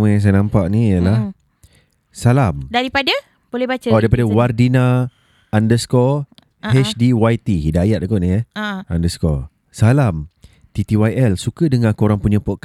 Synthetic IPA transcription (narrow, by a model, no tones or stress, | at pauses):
mə̃jaŋs̬ajənãmpaʔniijəlah | salamdaɾipada | b̥olɛbat͡ʃəɔdaɾipadawardinã | andəskɔ | hɛt͡ʃdiwajt̪iɦidajat̪̚koʔniɦjəaandəskɔ | salam | t̪it̪iwajɛlsukədəŋãkuoɾaŋpuɲə̃pɔʔk